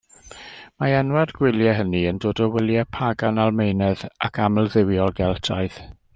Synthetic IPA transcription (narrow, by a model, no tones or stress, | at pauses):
maɛnwardɡwɪlˠjɛɦəniəndoːdɔwɪlˠjɛpʰaɡanalˠmejnɛðakʰaməlˠðɪwjɔlˠɡɛlˠtʰaɨð̥